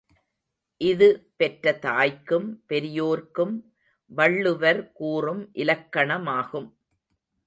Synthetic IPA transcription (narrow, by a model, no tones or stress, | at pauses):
ʔɪðɯpɛʈɾɐt̪aːjkːɯmpɛɾɪjoːɾkɯm | ʋɐɭːɯʋɐɾkuːrɯmʔɪlɐkːɐɳɐmaːɣɯm